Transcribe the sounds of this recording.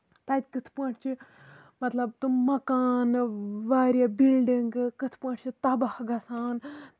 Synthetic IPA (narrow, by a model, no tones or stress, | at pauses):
t̪ɐt̪ʲkɨt̪ʰpɐʈʰt͡ʃʰi | mɐt̪lɐbt̪ummɐkaːnʋaːɾjɐbilɖiŋɡkɨt̪ʰpɐʈʰʲt͡ʃʰit̪ɐbahɡɐsaːn